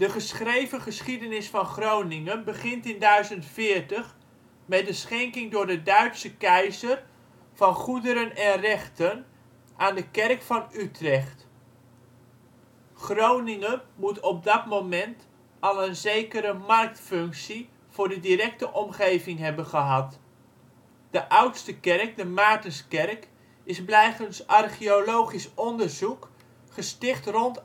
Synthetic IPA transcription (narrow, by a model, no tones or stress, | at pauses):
d̥əχəsχrejvəχəsχidənɪsfɑnχrownɪŋənbəχɪntɪndœɥzəntfɪːərtəχ | mɛdəsχɛŋkɪŋdʊːɹdədœɥtsəkɛjzər | fɑnχudəɾənɛnrɛχtən | ʔaːndəkɛrkfɑnytrɛχt | χrownɪŋəmutɔp̚dɑtmowmɛnt | ɑlˠənzejkəɾəmɑrk̚tfɵŋksi | v̥ʊːɹdədiɾɛk̚təʔɔmχejvɪŋɦɛbənχəɦɑt | d̥əʔʌwtstəkɛrk̚dəmaːtənskɛrk | ɪzblɛjχənsʔɑrχiolowχisɔndəɹzuk | χəstɪχtrɔnt